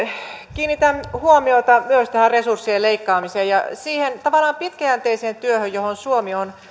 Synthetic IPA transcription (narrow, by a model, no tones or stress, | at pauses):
kiːnːit̪æmhuomiot̪ɑmyøst̪æhæresursːieleikːɑːmiseːjɑsiːhent̪ɑʋɑlːˑɑːmpit̪kæænt̪eiseːnt̪yøhøjohonsuomion